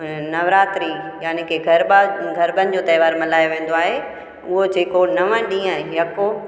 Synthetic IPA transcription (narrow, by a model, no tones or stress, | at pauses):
nɐʋɾaːt̪ɾijaːnekʰeːɡʱɐɾɡʱɐɾbənɪ̆d͡ʑoːt̪ɐjʋaːɾmɐlaːjoʋẽːnd̪oaːɦe | ʊɦod͡ʑeːkonɐʋə̃ɗĩːə̃jɐko